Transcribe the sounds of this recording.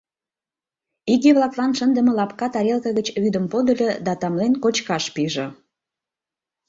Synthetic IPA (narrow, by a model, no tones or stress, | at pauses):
iɣeβlˠɑklɑnʃənd̪əmə̆lɑpkɑt̪ɑɾʲelˠkəɣət͡ɕβyd̪əmpod̪əlʲed̪ɑt̪ɑmlenkot͡ɕkɑʃpiʒĕ